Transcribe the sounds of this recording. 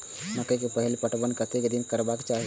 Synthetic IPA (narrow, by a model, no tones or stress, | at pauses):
mɐkəkepəɦilipəʈbənkət̪ekd̪inkəɾbakt͡ʃaɦi